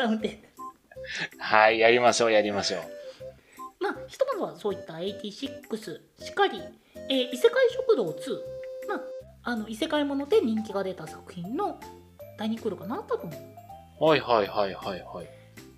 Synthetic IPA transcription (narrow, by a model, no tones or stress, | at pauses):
aɯ̟nt̪e | haijaɾʲimaɕo̞ːjaɾʲimaɕo̞̰ː | maːçi̥t̪o̞mad̪oβaso̞ːit̪ːae̞it̪ʲiːɕikːɯ̟sɨ | ɕi̥kaɾʲi | eːʔise̞kaiɕo̞kɯ̟d̪o̞ːt͡sɨːma | ano̞ise̞kaimo̞no̞d̪e̞ɲ̟ĩŋk̬ʲiɡad̪e̞t̪asakɯ̟̥çĩnːo̞ | d̪̥aɲ̟ikɯ̟ɾɯ̟kanat̪ːat̪omo | haihaihaihaihai